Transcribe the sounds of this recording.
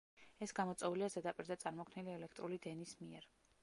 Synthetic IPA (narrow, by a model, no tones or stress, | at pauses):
ɛsɡamɔt̪sʼɛuliazɛd̪apʼiɾd̪at̪sʼaɾmɔkʰmniliɛlɛkʰt̪ʼɾulid̪ɛnismiɛɾ